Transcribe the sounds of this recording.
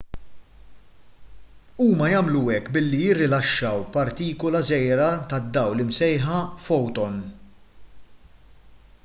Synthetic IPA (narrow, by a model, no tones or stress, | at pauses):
uːmɐjɐmluɛkːbɪlːijɪrːɪlɐʃːɐwpɐɾt̪iːkɔlɐzɛjɾɐt̪ɐd̪ːɐwlɪmsɛjħɐfɔwt̪ɔn